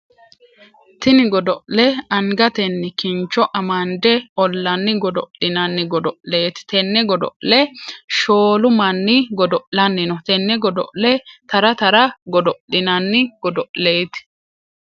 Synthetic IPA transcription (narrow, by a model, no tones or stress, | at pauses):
t̪ɪnɪɡɔd̪ɔʔlɛɐŋɡɐt̪ɛnːɪkɪnt͡ʃːɔʔɐmɐnd̪ɛɔlːɐnːɪɡɔd̪ɔ̰ɪnɐnːɪɡɔd̪ɔʔleːt̪ɪ̥t̪ɛnːɛɡɔd̪ɔ̰ʔlɛʃoːlʊmɐnːɪɡɔd̪ɔʔlɐnːɪnɔt̪ɛnːɛɡɔd̪ɔ̰ʔlɛt̪ɐɾɐt̪ɐɾɐɡɔd̪ɔʔɪnɐnːɪɡ̥ɔd̪ɔʔle̞ːt̪ɪ̥